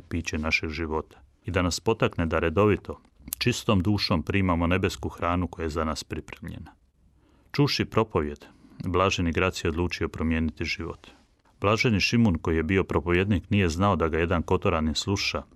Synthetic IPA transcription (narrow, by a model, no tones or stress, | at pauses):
piːt͡ɕenaʃeɡʒiʋo̞t̪ḁ | id̪anaspo̞t̪akned̪aɾe̞d̪o̞ʋit̪ʰo̞ | t͡ʃist̪omd̪uːʃo̞mpɾiːmamo̞ne̞be̞skuxɾaːnuko̞jajezanaːspɾipɾemʎe̞̰na | t͡ʃuʃipɾo̞po̞ʋje̞d̪blˠaːʒeniɡɾat̪sjeo̞d̪luːt͡ʃio̞pɾo̞mje̞ːnit̪iʒiʋo̞̰t̪ | blˠaːʒeniʃimunko̞jije̞bio̞pɾo̞po̞ʋje̞d̪niknije̞znao̞d̪aɡaje̞d̪anko̞t̪o̞ɾanislˠuʃa